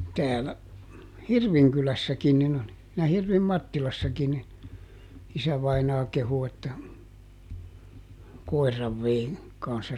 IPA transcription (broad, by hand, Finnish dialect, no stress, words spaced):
tæːlæ hirʋiŋkylæsːækin nin oli jɑ hirʋim mɑtːilɑsːɑkin nin̞ isæʋɑinɑː kehu etːæ koi̯rːɑʋ ʋei kɑnsːɑ